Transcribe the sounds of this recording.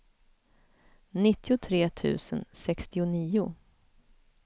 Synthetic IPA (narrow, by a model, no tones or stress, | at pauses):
nɪt̪ʰːɪʊt̪ʰɾeːt̪ʰʉ̟̰ːsənsɛkst̪ɪʊniːʊ